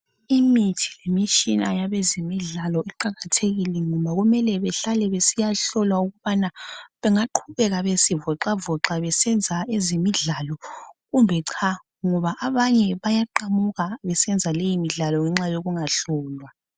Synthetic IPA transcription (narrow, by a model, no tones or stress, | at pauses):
imitʰi̥lemit͡ʃʼinajaβɛzimiɮalɔiǃaɣatʰeɣilɛŋɔmβaɣumɛlɛβɛɬalɛβesijaɬɔlwauɣuβanaβɛŋaǃʰuβɛɣaβesivɔǃavɔǁaβɛsɛnd͡zʱaezimiɮalɔɣumbʱɛǀʰa | ŋɔβaʔaβaɲɛβajaǃamuɣaβɛsɛnd͡zʱalejimiɮalɔŋɛŋ͡ǁajoɣuŋaɬɔːlwa